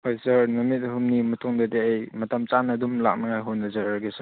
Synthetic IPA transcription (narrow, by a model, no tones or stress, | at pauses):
hojsɐɾnɐmit̚ɦumnimɐtʰuŋdɐdeɐjmɐtɐmt͡ʃanɐdumla̰k̚nɐŋajɦonːɐzaɾɾɡesa